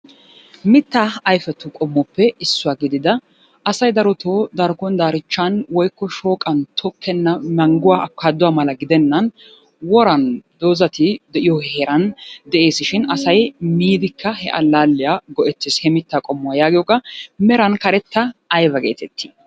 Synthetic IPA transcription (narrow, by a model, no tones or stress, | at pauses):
mɪt̪ːaɐjfɛt̪ːʊkʼɔmːɔpːɛɪsːʊwaːɡɪd̪ɪd̪ɐ | ʔɐsɐjd̪ɐɾɔt̪ʰoːd̪ɐɾkɔnd̪aːɾɪt͡ʃːɐnwɔjkːɔʃo̞ːkʼɐnt̪ʰɔkʰːɛnːɐmɐŋɡʊwaːʔɐkːaːd̪ʊwaːmɐlɐɡɪd̪ɛnːɐn | wɔɾɐnd̪oːzɐt̪ɪd̪ɛʔɪjɔhheɾɐnd̪ɛʔe̞ːsɪʃɪnɐsɐjmiːd̪ɪkːɐhɛ̰ʔɐ̰lːaːlːɪjaɡɔʔɛt͡sːɪshɛmɪt̪ːaːkʼɔmːʊwajaːɡɪjɔkʼːɐmɛɾɐnkɐɾɛt̪ːɐːjbɐɡeːt̪ɛt̪ʰːi̥